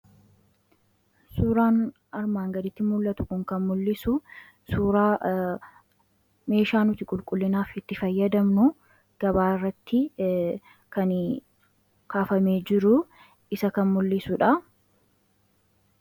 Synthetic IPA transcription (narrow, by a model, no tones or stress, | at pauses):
suːɾaːn | ɐɾmaːŋɡɐd̪ɪt̪ːɪmʊlːɐt̪ʊ̥kʊŋkɐnmʊlːɪsʊ | suːɾaː | me̞ːʃaːnʊt̪ɪkʼʊlkʼʊlːɪnaːfɪt̪ːɪfɐjːɐd̪ɐmnʊ | ɡ̥ɐbaːɪrːɐt̪ːɪ | kɐn | kaːfɐme̞ːd͡ʒɪɾʊ | ɪsɐkɐnmʊlːɪsʊᶑɐ